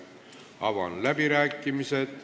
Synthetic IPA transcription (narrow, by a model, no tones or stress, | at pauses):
ɑvɑ̰nlæbiɾæːkːˑimise̞t̪